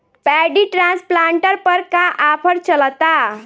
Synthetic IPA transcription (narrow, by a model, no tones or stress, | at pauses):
pɛɖiʈɾãnsplaɳʈəɾpəɾkaʔapʰəɾt͡ʃələt̪a